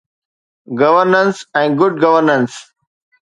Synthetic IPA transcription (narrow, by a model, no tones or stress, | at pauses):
ɡɐʋəɾnə̃nsɛ̃nɡʊɖɡɐʋəɾnə̃ns